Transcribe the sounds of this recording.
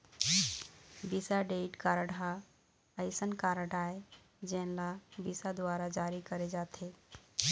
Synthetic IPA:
bisaɖeʈkaɾəɽa | əɪsənkaɾəɽae | d͡ʒɛ̃nlabisad̪ʊwaɾad͡ʒaɾikəɾed͡ʒat̪ʰe

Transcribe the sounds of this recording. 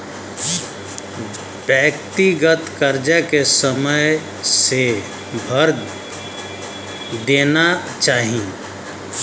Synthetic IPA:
bjəkt̪iɡət̪kəɾd͡ʒəkesəmə | se | bʱəɾ | d̪eːna | t͡ʃaːɦi

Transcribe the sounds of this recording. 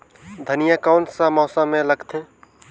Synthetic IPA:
d̪ʱənijakaːnsãmɔːsãmẽləɡt̪ʰẽ

